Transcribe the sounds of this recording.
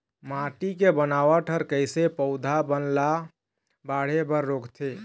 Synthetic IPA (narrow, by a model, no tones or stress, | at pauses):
mãʈikebənaːʋaʈʰəɾkəɪsepəʊd̪ʱabənla | baːɽ̤ebəɾːoːkt̪ʰe